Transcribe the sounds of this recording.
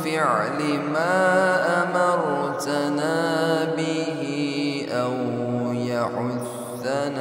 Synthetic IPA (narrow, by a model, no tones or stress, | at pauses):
fɪʕlɪmaːʔamɑɾˤt̪anaːbɪɦɪʔawjaʕʊdː | ana